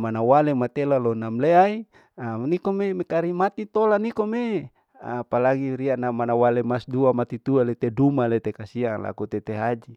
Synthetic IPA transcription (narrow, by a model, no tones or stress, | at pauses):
manawalemat̪elalonamleai | anikomemekaɾimat̪it̪olanikome | apalaɡiɾianamanawalemasduamat̪it̪ualet̪edumalet̪ekasiaŋla̰kut̪et̪eɦad͡ʒi